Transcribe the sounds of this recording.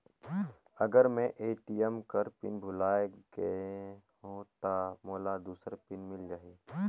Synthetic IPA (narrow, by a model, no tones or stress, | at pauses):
əɡəɾmẽʔeːʈiəmkəɾpɪ̰nbʱʊlaːeɡəeɦõt̪amoːlad̪uːsəɾpɪnmɪld͡ʒaːɦi